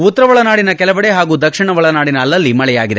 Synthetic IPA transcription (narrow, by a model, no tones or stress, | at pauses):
ut̪ːɐɾɐʋɐɭɐnaːɽinɐkɛlɐʋɐɽeɦaːɡuːd̪ɐkʂiɳɐʋɐɭɐnaːɽinɐːlːɐlːimɐɭɛjaːɡid̪e